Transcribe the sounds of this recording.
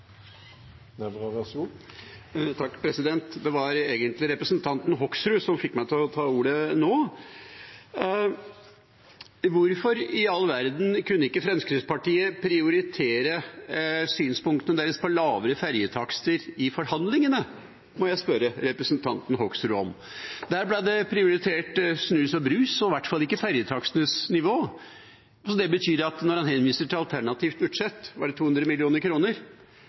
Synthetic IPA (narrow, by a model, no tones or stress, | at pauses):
ɛbʁɑʋɛsu | t̪ʰɑkːpʰɾɛsɪd̪ɛnt̪d̪ɛʋɑɾeːɡənt̪lɪɾɛpɾəsnt̪ʰɑnt̪n̩ɦɔksɾʉsɔmfɪkmæɪt̪ʰɪɔt̪ʰɑːuːɾənoː | ʋʊɾfɔɾɪɑlːʋæɾd̪n̩kʰʉnːəɪkːəfɾɛnskɾɪspɑʈiːəpʰɾɪʊɾɪt̪ʰeːɾə | syːnspʊŋkt̪ənəd̪ɛləspʰɑlɑːʋəɾəfæɾjət̪ʰɑkst̪əɾɪfɔɾhɑnd̪lɪŋənə | mɔjæɪspœɾəɾɛpɾəsənt̪ʰɑnt̪n̩ɦɔksɾɔ̰m | d̪æːɾblæd̪ɛpʰɾɪʊɾɪt̪ʰeːʈsnʉːsɑʋbɾʉːsɔʋæʈːfɑlːɪkːəfæɾjət̪ʰɑksənəsnɪʋoː | sɔd̪ɛbət̪ʰyːɾɑt̪nɔɾhɑnhɛnʋiːsəʈʰɪlɑlt̪ʰæɳɑt̪ʰiːft̪bʉd̪ʂɛt̪ːʋɑɖɛt̪ʰuːhʉnd̪ɾəmɪlɪuːnəɾkʰɾuːnəɾ